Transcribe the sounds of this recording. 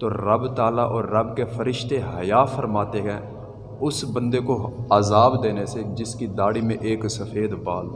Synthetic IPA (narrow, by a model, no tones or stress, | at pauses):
t̪oːɾəbt̪aːlaʔɔːɾːəbkefʰəɾɪʃt̪eɦəjaːfʰəɾmaːt̪eɦɛ̃ː | ʊsbə̃nd̪ekoaːzaːbd̪eːnesed͡ʒɪskid̪aːɽimẽʔeːksəfʰeːd̪baːl